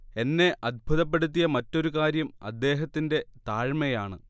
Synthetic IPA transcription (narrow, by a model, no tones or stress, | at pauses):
e̞nːe̞ʔɐd̪̚bʱuðɐp̬ːe̞ɽut̪̬ːijɐmɐtːo̞ɾukaːɾjɐmɐ̰d̪ːe̞ːɦɐt̪ːinde̞t̪aːɻmɐjaːɳɨ̰